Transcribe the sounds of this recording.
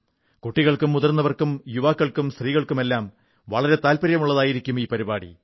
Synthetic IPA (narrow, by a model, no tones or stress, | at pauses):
kuʈːiɣɐɭkumːuðɐrnːɐʋɐrkumjuʋaːkːɐɭkumst̪riːɣɐɭkume̞lːaːm | ʋɐɭɐɾe̞t̪aːlpɐɾjɐmuɭːɐðaːjiɾikʲːumiːpɐɾibaːɽḭ